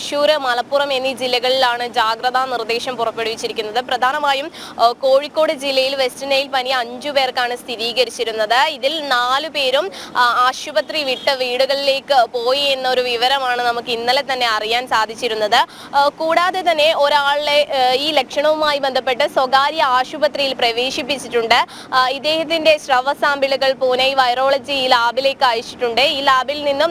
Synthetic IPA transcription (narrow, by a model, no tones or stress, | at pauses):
ɕuːɾɨmɐlɐpːurɐme̞nːid͡ʑilːɐɣɐɭilaːɳɨd͡ʑaːɡrɐðanird̪eːɕɐmpurɐpːe̞ɽuʋit͡ɕːiɾikʲːunːɐðɨprɐd̪ʱaːnɐmaːjumko̞ːɻikʲːo̞ːɽɨd͡ʑilːɐjilʋe̞stinɐjilpɐniɐɲd͡ʑupe̞ːrkːaːɳɨst̪ʰiɾiːɣɐɾit͡ɕːiɾunːɐðɨiðilnaːlupe̞ːɾumaːɕubɐt̪riʋiʈːɨʋiːɽuɣɐɭile̞ːkːɨpo̞ːjie̞nːɐo̞ɾuʋiʋɐɾɐmaːɳɨnɐmukːɨinːɐlet̪ɐnːe̞ɐrijaːnsaːd̪ʱit͡ɕːiɾunːɐðɨ | kuːɽaːðe̞t̪ɐnːe̞ʔo̞ɾaːɭleiːlekʂɐɳɐʋumaːjibe̞nd̪ʱɐpːe̞ʈːɨswoɡaːɾjɐaːɕubɐt̪rijilprɐʋeːʂipːit͡ɕːiʈːuɳɖɨ | id̪ːe̞ːhɐt̪̬ːinde̞ɕrɐʋɐsaːmbiluɣɐɭpoːneiʋɐjro̞ːɭɐd͡ʑilaːbile̞ːkːɨaːjɐt͡ɕːiʈːuɳɖɨiːlaːbilninːum